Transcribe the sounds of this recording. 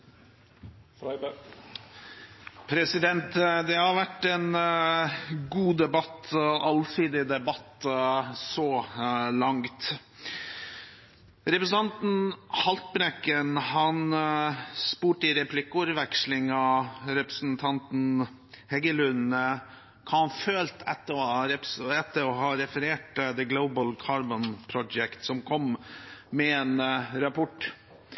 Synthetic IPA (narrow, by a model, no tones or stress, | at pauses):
pʰɾɛsɪd̪ɛnt̪d̪ɛhɑɾʋæʈːɛn | ɡuːd̪ɛbɑt̪ɑlsiːd̪ɪd̪ɛbɑt̪ | sɔlɑŋt̪ | ɾɛpɾəsn̩ɑnt̪n̩hɑlt̪̚bɾɛkːənhɑn | spuːʈɪɾɛplɪkːʊɾʋɛkʂlɪŋɑɾɛpɾəsnt̪ʰɑnt̪n̩ | hɛɡəlʉnə | kʰɑnføːlt̪ʰɛt̪ːəɔɑɾɛpɛt̪ːəɾɔɦɑɾɛfəɾeːʈd̪ɛɡloʊbəlkʰɑːɾbɔnpʰɾɔd͡ʒɛkt̪sɔmkʰɔmmɛeːnɾɑpʰɔʈ